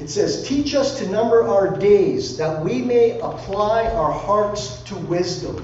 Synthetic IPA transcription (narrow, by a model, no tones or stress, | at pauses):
ɨtsɛz̥tʰit͡ʃʌstʰɨnʌ̃mbə˞ʔaʊə˞deɪzðɨt̚wimeɪʔəpʰl̥aɪʔaʊə˞hɑɹts | tʰəwɪzdə̰̃m